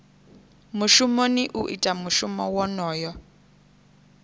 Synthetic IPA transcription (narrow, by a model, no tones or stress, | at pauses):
muʃumoniʔuʔḭtʼamuʃumɔwɔnɔːjɔ